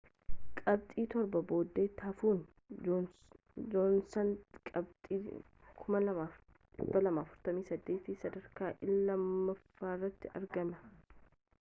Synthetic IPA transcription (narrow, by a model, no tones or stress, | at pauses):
kʼɐb̚t̪ʼiːt̪ɔɾbɐbo̞ːd̪ːeːt̪ːɐfuːn | onsɐnkʼɐbt̪ʼiː | kʰʊmɐlɐaː | ɪbːɐlɐmaːfʊɾt̪ɐmiːsɐd̪ːe̞ːt̪isɐd̪ɐɾkaːʔɪlːɐmːɐfːaːrːɐt̪ːɪɐ̰ɾɡɐmɐ